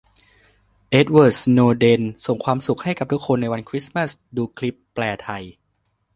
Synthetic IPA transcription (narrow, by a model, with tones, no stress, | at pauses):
ʔe˦˥t̪̚wɤː˨˩noː˧de˧nso˨˩ŋkʰwaː˧msu˨˩k̚ha˥˩jka˨˩p̚t̪u˦˥kʰːo˧nːa˧jwa˧nkʰɾi˦˥ma˥˩sduː˧kʰli˦˥pːlɛː˧t̪ʰa˧j